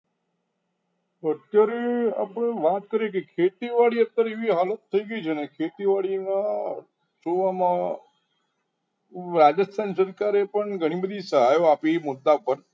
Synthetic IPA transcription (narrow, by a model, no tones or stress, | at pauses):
ət̪jaɾea̰pəɳ̃eʋat̪kəɾjekekʰet̪iʋaɽiət̪ːəɾeʋiɦalət̪ʰːəiɡəit͡ʃʰenekʰet̪iʋaɭina | soʋamã | ɾad͡ʒəst̪ʰansəɾkaɾepəɳɡʱəɽ̃ibəd̪ʱisəɦajoapimʊd̪ːapəɾ